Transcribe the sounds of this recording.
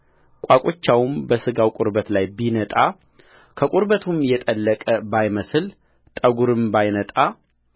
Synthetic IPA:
kʷʼakʼot͡ʃːawmbəsɨɡawkʼʊɾbət̪lajbinət̪ʼa | kʰəkʼʊɾbət̪ʰumjɛt̪ʼəlːəkʼəbajməsɨl | t̪ʼəɡuɾɨmbajnət̪ʼa

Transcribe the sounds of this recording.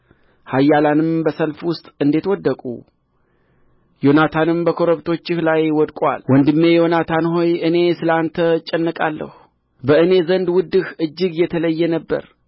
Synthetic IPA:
hajːalanɨmbəsəlfwʊst̪ʼɨnd̪e̞t̪wɔd̪ːəkʼṵ | jo̞nat̪ʰanɨmbəkʰo̞ɾəβt̪ʰo̞t͡ʃːɪhlajwɔd̪kʼʷa̰lwɔnd̪ɨmːe̞jo̞nat̪ʰanho̞jʔɨne̞sɨlant̪ʰət͡ʃʼːɛnːɨkʼalːə̰hu | bəɨne̞zənd̪wʊd̪ːɨhʔɨd͡ʒːɨɡjɛt̪ʰələjːɛnəbːə̰ɾ

